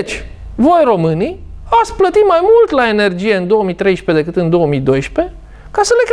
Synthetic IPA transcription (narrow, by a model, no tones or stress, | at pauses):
t͡ʃʲ | vo̞jro̞mɨni | at̪splət̪imajmult̪lae̞ne̞rd͡ʒije̞ɨnd̪o̞omit̪ɾe̞jʃpe̞d̪e̞kɨt̪ɨnd̪o̞omid̪o̞jʃpe̞ | kasəle̞k